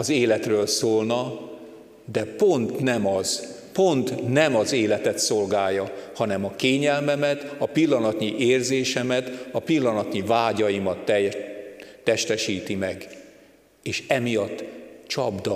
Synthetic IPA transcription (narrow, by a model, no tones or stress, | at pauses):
ɒzeːlɛt̪røːlsoːlnɒ | d̪ɛpo̞nt̪nɛmɒz̥ | po̞nt̪nɛmɒzeːlɛt̪ɛt̪so̞lɡaːjːɒhɒnɛmɒkeːɲɛlmɛmɛt̪ɒpilːɒnɒt̪ɲiʔeːrzeːʃɛmɛt̪ɒpilːɒnɒt̪ɲivaːɟɒjimɒt̪ː | ɛʃt̪ɛʃiːt̪imɛɡ | eːʃɛmijɒt̪ːt͡ʃɒbd̪ɒ